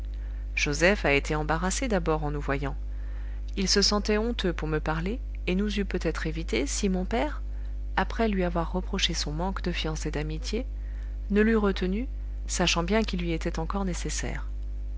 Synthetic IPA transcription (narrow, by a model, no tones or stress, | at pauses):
ʒ̥ozɛfaet̪ʰeɑ̃baʁased̪abɔʁɑ̃nuvwajɑ̃ | ilsəsɑ̃t̪ɛɔ̃t̪øpuʁməpaʁleː | nuzypøt̪ɛt̪χevit̪esimɔ̃pɛʁ | apχɛlɥiavwaʁːəpχɔʃesɔ̃mɑ̃kd̪əfjɑ̃sed̪amit̪je | nəlyʁət̪əny | saʃɑ̃bjɛ̃kʲilːɥiet̪ɛt̪ɑ̃kɔʁnesesɛ̰ːʁ